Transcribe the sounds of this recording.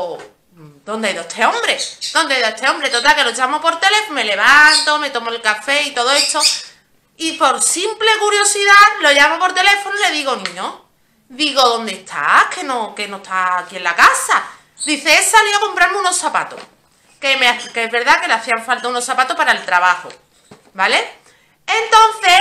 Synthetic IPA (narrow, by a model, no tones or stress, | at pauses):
d̪ond̪eajðoet̪ʰe̞õ̞mbɾe̞d̪o̞nd̪eajðoet̪eo̞mbɾe̞t̪ot̪alke̞lot͡ʃamo̞po̞ɾt̪e̞le̞fome̞le̞βant̪o̞me̞t̪o̞moe̞lkafe̞it̪o̞ð̞oe̞t̪o̞ | ipo̞ɾsimple̞kuɾjo̞siðalo̞ʝamo̞po̞ɾt̪e̞le̞fonole̞ðiɣo̞nĩɲo | ðiɣo̞ðo̞nd̪est̪ʰa̰kʰe̞noke̞no̞t̪ʰaːkie̞nlakasa | d̪iθe̞esaliakompɾaɾmeuno̞sapa̰t̪o̰ | ke̞meakeezβe̞ɾðake̞laθiaɱfalt̪auno̞sapat̪opaɾaelt̪ɾaβaho̰ | bale̞ | ent̪o̞nθe